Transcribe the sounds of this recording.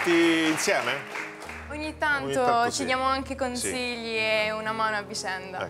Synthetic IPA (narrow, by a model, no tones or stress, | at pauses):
t̪iːnsjɛːme | oɲːit̪ːant̪ot͡ʃid̪jaːmoaŋkekonsiʎːieunamaːnoavːit͡ʃɛnd̪a